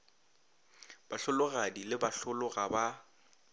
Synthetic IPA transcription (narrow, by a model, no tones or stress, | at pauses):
b̥aɬʊlʊɣadilɪbaɬʊlʊɣaba